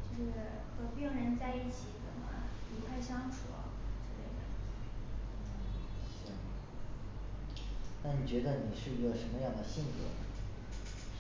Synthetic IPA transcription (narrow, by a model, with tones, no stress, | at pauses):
t͡ɕjo˥˧ʊʂɻ̩˥˩ | xɤ˧˥pi˥ŋɻə˧˥nt͡sa˥˧ɪi˥˩t͡ɕʰi˧˥t͡sə̰˨˩nmɐ̰˧li˧˥t̪ʰa˥˧ɪɕjɑ˥ŋʈ͡ʂʰṵ˨˩ɐ̰˧˥ʈ͡ʂ̩˥˩lḛ˥˩d̪ə̰˨˩˥ | ɕɑ˥˩˧ | na˥˩ni˨˩t͡ɕɥɛ˧˥d̪ə˧ni˨˩ʂɻ̩˥˩y˧˥jʂə˧˥nmə˧jɑ˥˩ŋd̪ə˩ɕi˥˩nt̪ɔ̰˧˥˦nə˩